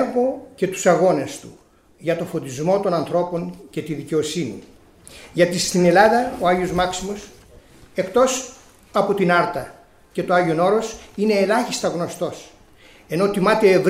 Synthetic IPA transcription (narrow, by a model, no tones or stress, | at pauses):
ɾvo̞ce̞t̪u̥sɐɣo̞nest̪u | ʝɐt̪o̞fod̪izmo̞t̪o̞nɐnθɾo̞po̞ɲce̞t̪iðice̞osinḭ | ʝɐt̪ist̪ine̞lɐðɐo̞ɐʝio̞zmɐksimo̞s | e̞kt̪o̞s | ɐpo̞t̪inɐɾt̪ɐ | ce̞t̪o̞ɐʝiono̞ɾo̞sine̞ːlɐçist̪ɐɣno̞st̪o̞s | e̞no̞t̪imɐt̪e̞ːv